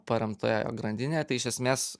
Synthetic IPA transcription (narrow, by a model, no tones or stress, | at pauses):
pɐɾʲɛmt̪oːjoːjo̰ːɡɾɐnʲd̪ʲɪnʲeːt̪ɐɪɪʃʲɛsʲmʲeːs